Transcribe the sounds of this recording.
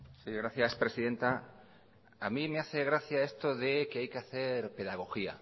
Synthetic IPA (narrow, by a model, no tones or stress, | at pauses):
siɣɾaθjaspɾesiðẽnt̪a | amimeaθeɣɾaθjaest̪oðekeajkeaθeɾpe̞ðaɣ̞o̞xia̰